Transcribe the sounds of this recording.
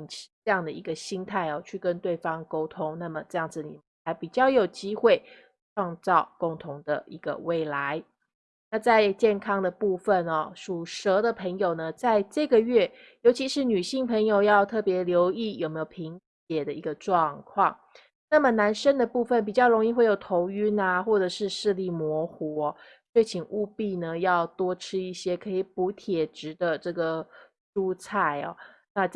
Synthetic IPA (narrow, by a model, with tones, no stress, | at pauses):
ŋt͡ɕʰi˨˥ʈ͡ʂɤ˥˧jɑ˥˩ŋd̪ə˩i˧˥ɡə˧ɕi˥ŋt̪ʰa˥˩ɪɔ˩t͡ɕʰy˥˩kə˦nt̪we˥˩ɪfɑ˥ŋko˥ʊt̪ʰʊ˥ŋna˥˩mə˩ʈ͡ʂɤ˥˧jɑ˥˩ŋd͡z̩˨˩nḭ˨˩mə˦nxa˧˥ɪpi˨˩t͡ɕjɑ˥˩ʊjo˨˩ʊt͡ɕi˥xwe˥˩ɪ | ʈ͡ʂʰwɑ˥˧ŋt͡sɑ˥˩ʊkʊ˥˧ŋt̪ʰʊ˧˥ŋd̪ə̰˨i˧˥ɡə̰˧we˥˩ɪla˧˦ɪ | na˥˧t͡sa˥˧ɪt͡ɕjɛ˥˩nkʰɑ˥ŋd̪ə˨pu˥˧fə˨nɐ˨˩ʂu˨˩ʂɤə˧˥d̪ə˨pʰə˧˥ŋjo˨˩ʊnə˩t͡sa˥˧ɪʈ͡ʂɤ˥˩ɡə˨˩ɥɛ˥˩ | jo˧˥ʊt͡ɕʰi˧˥ʂɻ̩˧˥ny˨˩ɕi˥˩ŋpʰə˧˥ŋjo˨˧ʊjɑ˥˧ʊt̪ʰɤ˥˩pjɛ˧˥ljo˧˥ʊi˥˩jo˨˩me˧˥jo˨˩pʰi˧˥ŋ | t͡ɕjɛ˨˩d̪ə˦˨i˧˥ɡə˧ʈ͡ʂwɑ˥˧ŋkʰwɑ˥˩ŋ | na˥˩mə˩na˧˥nʂə˥nd̪ə˨pu˥˧fə˥˩np̬i˨˩t͡ɕjɑ˥˩ʊɻo˧˥ŋi˥˧xwe˥˩ɪjo˨˩ʊt̪ʰo˧˥ʊy˥na˨xwɔ˥˩ʈ͡ʂɤ˨˩ʂɻ̩˥˧ʂɻ̩˥˧li˥˩mwɔ˧˥xɔ˧˦˥ | ʂwe˥˩ɪt͡ɕʰi˨˩ŋʔu˥˧pi˥˩nə˩jɑ˥˩ʊt̪wɔ˥ʈ͡ʂʰɻ̩˥i˥˩ɕjɛ˥kʰɤ˧˥i˨˩pu˧˥t̪ʰjɛ˨˩ʈ͡ʂɻ̩˧˥d̪ə˧ʈ͡ʂɤ˥˩ɡə˩ | ʂu˥t͡sʰa˥˩ɪɐ̰˩na˥˧